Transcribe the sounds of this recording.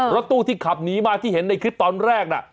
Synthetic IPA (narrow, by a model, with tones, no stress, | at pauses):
ɾɔ˦˥t̪ːuː˥˩t̪ʰiː˥˩kʰa˨˩p̚niː˦˥maː˧t̪ʰiː˥˩ɦe˩˦nda˧jkʰɯ˦˥p̚t̪ɔː˧nɾɛː˥˩k̚na̰˧˩